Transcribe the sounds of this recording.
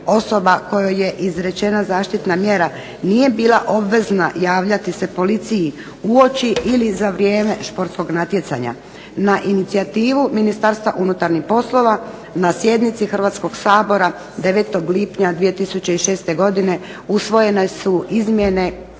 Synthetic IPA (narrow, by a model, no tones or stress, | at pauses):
o̞so̞bako̞joje̞ʔizɾe̞t͡ʃe̞nazaːʃt̪it̪namje̞ɾa | nije̞biːlaʔo̞bʋe̞znajaːʋʎat̪isepo̞lit̪siji | uo̞t͡ʃiilizaʋɾjeːme̞ʃpo̞ɾt̪sko̞ɡnat̪je̞t̪sa̰ɲa̰ | naʔinit̪siat̪iːʋuminist̪aːɾst̪ʋaʔunut̪aɾnixpo̞slˠo̞ʋa | nasje̞d̪nit̪sixr̩ʋaːt̪sko̞ɡsaːbo̞ɾa | d̪e̞ʋe̞t̪o̞ɡlipɲad̪ʋije̞t̪isut͡ɕeiʃeːst̪e̞ɡo̞d̪ine̞ | usʋo̞je̞nesuizmje̞ne̞